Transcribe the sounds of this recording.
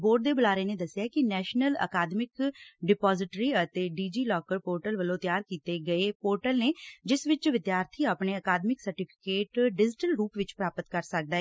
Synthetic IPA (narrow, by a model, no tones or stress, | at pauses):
boːɖ̚d̪eːbəlaːɾeːneːd̪əsːjaːkɪnɛːʃnələ̰kaːd̪mɪkɖɪpaːzɪʈɾiːət̪eːɖiːd͡ʒiːlɔːkəɾpoːɾʈəlʋəlõːt̪jaːɾkiːt̪eːɡəeːpoːɾʈəlneːd͡ʒɪsʋɪt͡ʃʋɪd̪jaːɾt̪ʰiːaːpɳeːəkaːd̪mɪksəɾʈɪpʰɪ̥keːʈɖɪd͡ʒɪʈəlɾuːpʋɪt͡ʃpɾaːpət̪kəɾsək̚d̪aː